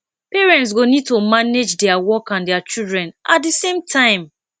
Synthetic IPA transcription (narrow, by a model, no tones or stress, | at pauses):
peɹɛ̃nts̬ɡonid̚tomaned͡ʒdɛawɔkãndɛat͡ʃildɹɛ̃nat̚disẽmtʰãɪ̃m